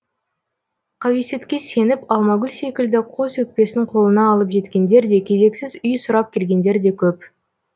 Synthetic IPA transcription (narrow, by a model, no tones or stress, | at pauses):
qʰɑwese̞t̪kʲe̞se̞nɪpɑlˠmɑɡʲʊlʲse̞kʲɪld̪ɪqʰo̞sɵk̚pe̞sɪŋqʰo̞lˠənɑːlˠəpʒe̞t̪kʲe̞nd̪e̞ɾd̪e̞kʲʰe̞ze̞ksɪzʏjsʊɾɑp̚kʲʰe̞lɡʲe̞nd̪e̞ɾd̪e̞kʲʰɵp